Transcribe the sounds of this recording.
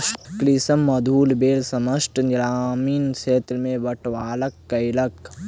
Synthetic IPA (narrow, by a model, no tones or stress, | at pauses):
klisɐmːɐd̪ʱuːlbeːlsɐməʃʈnɾaːmiːnseːt̪lmẽʋɐʈʋaːləkːɐɪlɐk